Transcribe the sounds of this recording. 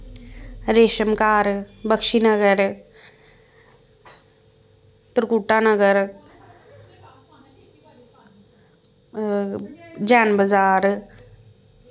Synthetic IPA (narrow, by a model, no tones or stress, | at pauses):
ɾeːʃɐmkaːɾbəkʂinɐɡɐɾ | t̪ɾkuʈːanɐɡəɾ | d͡ʒaːnbɐd͡zaːɾ